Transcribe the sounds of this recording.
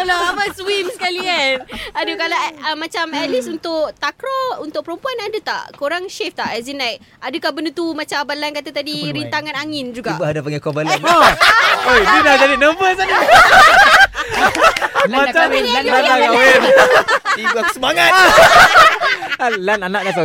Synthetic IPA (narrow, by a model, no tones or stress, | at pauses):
lɔabaswimsəkalianadukalaəmat͡ʃamɛlisunt̪ʊkt̪akɾɔunt̪ʊk̚pəɾumpuanadət̪a̰ʔkoɾaŋʃeft̪aʔɛsinãik̚adəkahbənət̪umãt͡ʃabalankat̪at̪adiɾint̪aŋãnaŋɪnd͡ʒuɡaiʔbaɦadapaŋɡɛkɔbalano | odidahd͡ʒadinəbəsada | mãt͡ʃamaat̪aaemaibuakusəmaŋat̪̚ | alananak̚dasa